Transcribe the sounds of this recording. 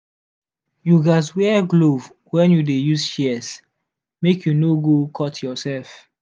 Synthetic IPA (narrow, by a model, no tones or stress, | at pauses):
juɡaswɛɡlov | wɛ̃njudejuzʃɛs | mekʰjunoɡokʰɔtʰjɔsɛlf